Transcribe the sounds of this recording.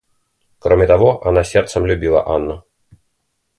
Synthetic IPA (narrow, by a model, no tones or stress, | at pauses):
kɾɔmʲɛt̪avɔʔanasʲɛrt̪sɐmlʲubʲilˠɐ̰ʔanːɐ